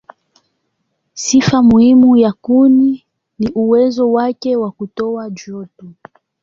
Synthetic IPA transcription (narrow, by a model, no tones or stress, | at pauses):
sifamuhimujakuni | niʔuwɛzɔwakɛwakutɔad͡ʒɔtu